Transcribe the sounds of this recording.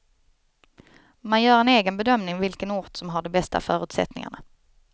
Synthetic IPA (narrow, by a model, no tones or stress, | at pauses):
manjœːɾɛneːɡənbɛd̪œmnɪŋvɪlkənuːʈ̪sɔmɦaɖɛbɛst̪a̰fœːɾʉ̟ːt̪sɛ̰t̪nɪ̰ŋa̰ɳa̰